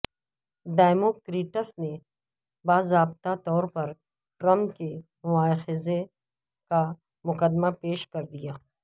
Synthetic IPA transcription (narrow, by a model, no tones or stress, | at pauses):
ɖaːmoːkɾiːʈəsne | baːzɾaːbt̪at̪ɔːɾpɐɾ | ʈɾɐ̃mpkemʊʋaːxɪze | ka | mʊkəd̪mapeːʃkɐɾd̪ijaː